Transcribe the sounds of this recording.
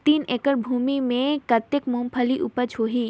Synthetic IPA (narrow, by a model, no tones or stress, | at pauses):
t̪iːneːkəɾbʱuːmimẽkɐt̪ːekmuːmpʰəliʔupət͡ʃʰoːɦiː